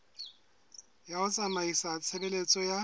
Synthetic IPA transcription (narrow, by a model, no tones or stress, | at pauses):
jaʊt͡sʼamaisat͡sʰebelet͡sʼɔja